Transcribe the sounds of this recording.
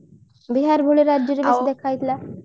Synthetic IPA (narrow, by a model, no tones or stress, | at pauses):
biɦaɾbʱoɭiɾad͡ʒjɔɾebesd̪ekʰajt̪ʰla